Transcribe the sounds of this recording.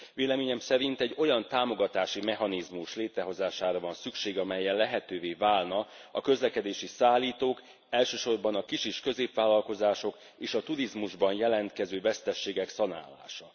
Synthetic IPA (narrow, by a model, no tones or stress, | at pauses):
ʋveːlɛmeːɲɛmsɛɾint̪ɛɟːo̞jɒnt̪aːmo̞ɡɒt̪aːʃimɛɦɒnizmuʃleːt̪ɾɛɦo̞zaːʃaːɾɒvɒnsykʃeːɡɒmɛjːɛllɛɦɛt̪øːveːvaːlnɒ | ɒkø̞zlɛkɛd̪eːʃisaːlːiːt̪oːk | ɛlʃøːʃo̞rbɒnɒkiʃiʃkø̞zeːpʋaːlːɒlko̞zaːʃo̞k | eːʃɒt̪uɾizmuʒbɒnjɛlɛnt̪kɛzøːvɛst̪ɛʃːeːɡɛksɒna̰ːlːa̰ːʃɒ